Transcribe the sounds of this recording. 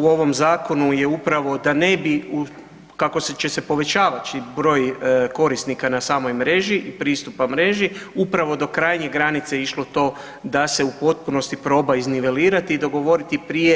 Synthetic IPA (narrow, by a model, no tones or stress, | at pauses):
uo̞ʋo̞mzaːko̞nuje̞upɾaʋo̞d̪ane̞biu | kako̞set͡ʃe̞se̞po̞ʋe̞t͡ɕaːʋat͡ʃibɾo̞ːjko̞ɾist̪nikanasaːmo̞jmɾe̞ʒiʔipɾiːst̪upamɾe̞ʒiupɾaʋo̞d̪o̞kɾajɲe̞ɡɾanit̪seiʃlˠo̞t̪o̞ː | d̪ase̞upo̞t̪̚puno̞st̪ipɾo̞ːbaizniʋe̞liːɾat̪iːd̪o̞ɡo̞ʋo̞ɾit̪ipɾije̞